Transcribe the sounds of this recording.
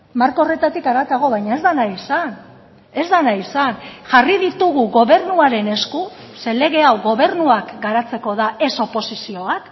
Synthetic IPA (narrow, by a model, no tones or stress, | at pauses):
maɾkore̞t̪at̪ikaɾat̪aɣo̞β̞ajɲae̞zðanaisan | e̞zd̪anaisanʝariðit̪uɣ̞uɣo̞βe̞ɾnuaɾe̞ne̞sku | se̞le̞ɣe̞awɣo̞β̞e̞ɾnuakɡaɾat͡se̞ko̞ðaʔe̞so̞po̞sisio̞βak